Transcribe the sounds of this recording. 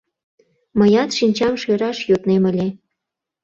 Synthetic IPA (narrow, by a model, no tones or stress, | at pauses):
məjɑt̪ʃinʲt͡ɕɑmʃøɾɑʃjot̪nemə̆lʲe